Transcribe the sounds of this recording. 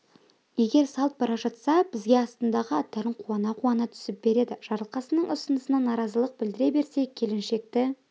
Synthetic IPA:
je̞ɡʲe̞ɾsɑlˠt̪̚bɑɾɑpʒɑt̪sɑbɪzɡʲe̞ɑst̪ənd̪ɑʁəɑt̪ːæɾɪɴqʰuɑnɑqʰuɑnɑt̪ʰʏ̥sɪp̚b̥e̞ɾe̞d̪ɪʒ̥ɑɾlˠqɑsənəɴʔʊsənəsənɑnɑɾɑzəlˠəq̚bɪld̪ɪɾe̞be̞ɾse̞kʲʰe̞lɪnʃe̞k̚t̪ɪ

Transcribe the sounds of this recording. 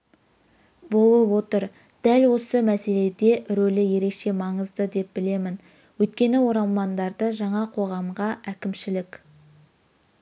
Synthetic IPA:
bo̞lˠəpwo̞t̪əɾ | d̪̥ælwo̞səmæse̞le̞d̪e̞ʔɾolɪje̞ɾe̞kʃe̞mɑɴəzd̪əd̪e̞p̚bɪle̞mɪn | wɵjt̪̚kʲe̞nɪwo̞ɾɑlˠmɑnd̪ɑɾd̪əʒɑɴɑqʰo̞ʁɑmʁɑʔækʲɪmʃɪlɪkʲ

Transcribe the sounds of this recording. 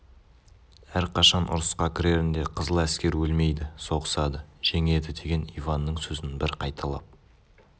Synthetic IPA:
æɾqʰɑʃɑnʔʊ̰ɾəsqɑkʲʰɪɾe̞ɾɪnd̪e̞qʰəzəlˠæskʲe̞ɾwɵlme̞jd̪ɪso̞ʁəsɑd̪əʒ̥eŋe̞d̪ɪd̪e̞ɡʲe̞nijvɑnːəɴsɵzɪnbɪɾqʰɑjt̪ʰɑlˠɑp̚

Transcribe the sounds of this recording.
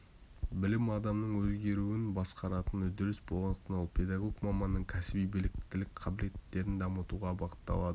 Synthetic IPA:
bɪlɪmɑd̪ɑmnəɴwɵzɡʲe̞ɾuwɪnbɑsqɑɾɑt̪ənʏzd̪ɪɾɪsbolˠɑnəqt̪ənolˠpʲʰe̞d̪ɑɡo̞ɡmɑmːɑnːəɴkʲʰæsɪbijbɪlɪk̚t̪ɪlɪkqʰɑbɪle̞t̪ːe̞ɾɪnd̪ɑmət̪uʁɑbɑqə̥t̪ːɑ̰lˠɑd̪ə

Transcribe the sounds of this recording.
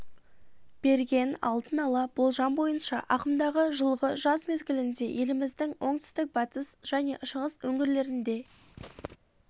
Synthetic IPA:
b̥e̞ɾɡʲe̞nɑ̰lˠd̪ənɑlˠɑb̥olˠʒɑmbo̞jənʃɑ̰ʔɑqəmd̪ɑʁəʒəlˠʁəʒɑzme̞zɡʲɪlɪnd̪e̞je̞lɪmɪzd̪ɪŋwʔo̞ɴt̪ʏ̥st̪ɪk̚bɑt̪əsʒ̥æne̞ʔʃəʁəzwɵŋɪɾle̞ɾɪnd̪e̞

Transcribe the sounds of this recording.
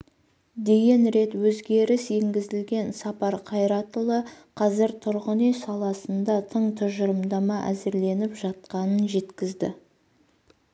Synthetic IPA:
d̪e̞ɡʲe̞nɾe̞t̪wɵzɡʲe̞ɾɪse̞ŋɡʲɪzɪlɡʲe̞nsɑpɑɾqʰɑjɾɑt̪əlˠəqʰɑzɪɾt̪ʰʊɾʁənejsɑlˠɑsənd̪ɑt̪ʰəɴt̪ʰʊʒəɾəmd̪ɑmɑʔæ̰zɪɾle̞nɪpʒɑt̪̚qɑnənʒe̞t̪kʲɪzd̪ɪ̰

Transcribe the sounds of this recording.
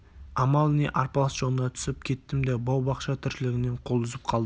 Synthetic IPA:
ɑmɑlˠneʔɑɾpɑlˠɑsʒ̥olənɑt̪ʰʏ̥sɪp̚kʲʰe̞t̪ːɪmd̪ebɑwbɑqʃɑt̪ʰɪɾʃɪlɪɡʲɪne̞ɴqʰo̞lˠd̪ʊzəp̚qʰɑlˠd̪ə

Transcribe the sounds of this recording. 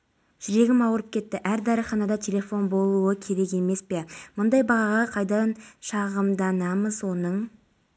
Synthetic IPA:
ʒ̥ʏɾe̞ɡʲɪmɑwəɾəp̚kʲʰe̞t̪ːɪʔæɾd̪ɑɾəχɑnɑd̪ɑt̪ʲʰe̞lʲe̞fo̞nbo̞lˠuwəkʲʰe̞ɾe̞ke̞me̞spe̞mʊnd̪ɑjbɑʁɑʁɑqʰɑjd̪ɑɑnʃɑʁəmd̪ɑnɑməzwo̞nəɴ

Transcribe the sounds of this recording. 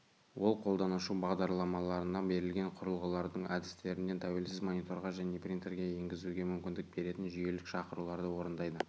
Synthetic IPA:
wo̞lˠqʰo̞lˠd̪ɑnəʃubɑʁd̪ɑɾlˠɑmɑlˠɑɾənɑbe̞ɾɪlɡʲe̞ɴqʰʊɾəlˠʁəlˠɑɾd̪əɴæd̪ɪst̪e̞ɾɪne̞nt̪ʰæwe̞lsɪzmo̞nijt̪o̞ɾʁɑʒæne̞prʲint̪eɾɡʲeje̞ŋɡʲɪzuɡʲe̞mʏmkʲɪnd̪ɪk̚be̞ɾe̞t̪ɪnʒʏje̞lɪkʃɑqəɾulˠɑɾd̪əwo̞ɾənd̪ɑjd̪ə

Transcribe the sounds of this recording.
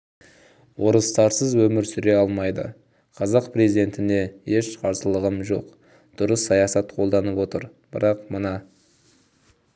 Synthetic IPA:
wo̞ɾəst̪ɑɾsəzwɵmɪɾsʏɾe̞ɑlˠmɑjd̪ə̰ | qʰɑzɑqpʰɾezid̪e̞nt̪ɪne̞eʃqʰɑɾsəlˠəʁəmʒo̞̰q | d̪̥ʊɾəsːɑjɑsɑt̪qʰo̞lˠd̪ɑnəpwo̞t̪əɾ | bəɾɑqmənɑ

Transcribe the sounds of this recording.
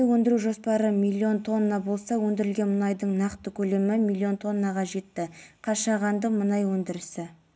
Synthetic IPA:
ɪwɵnd̪ɪɾuʒo̞spɑɾəmijlʲːio̞nt̪ʰo̞nːɑbo̞lˠsɑwɵnd̪ɪɾɪlɡʲe̞nmʊnɑjd̪əɴnɑqt̪əkʲʰɵle̞mɪmilʲːio̞nt̪ʰo̞nːɑʁɑʒe̞t̪ːɪqʰɑʃɑʁɑnd̪əmənɑjwɵnd̪ɪɾɪsɪ

